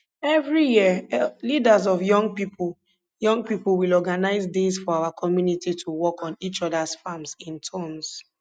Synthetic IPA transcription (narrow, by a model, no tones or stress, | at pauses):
ɛvɹijiəlidazɔvjɔ̃ŋɡpipʰl | jɔ̃ŋɡ̚piplwilɔɡanaɪzdesfɔaʊakʰɔmjunitʰitʰuwɔkʰɔ̃nit͡ʃɔdasfamsĩntʰɔ̃ms